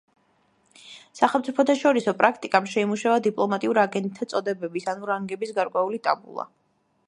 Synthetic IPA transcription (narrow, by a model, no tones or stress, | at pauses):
saχɛlˠmt̪sʼipʰɔt̪ʰaʃɔɾisɔpʼɾakʰt̪ʼikʼamʃɛimuʃavad̪ipʼlˠɔmat̪ʼiuɾaɡɛnt̪̚ʼt̪ʰːat̪sʼɔd̪ɛbɛbisanuɾaŋɡɛbisɡaɾkʼwɛulit̪ʼabṵlˠa̰